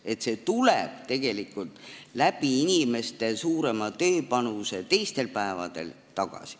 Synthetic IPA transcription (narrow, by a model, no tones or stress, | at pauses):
e̞t̪se̞t̪uleb̥t̪e̞ɡ̥e̞likːˑult̪læb̥iinʲime̞st̪e̞suːɾe̞mɑt̪ø̞ːpɑnuse̞t̪e̞jst̪e̞lpæevɑ̰d̪̥e̞̰l | t̪ɑɡ̥ɑ̰si̥